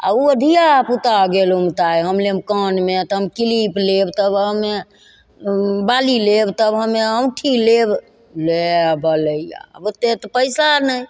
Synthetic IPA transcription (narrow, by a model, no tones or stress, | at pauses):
a̰uəd̪ʱijaput̪aɡelomt̪ajɦəmlemkənmet̪ɦəmkiliplebt̪əbɦəme | balilebt̪əbɦəmeəwʈʰileb | lebələija̰bot̪ːet̪ɔpəjsanəj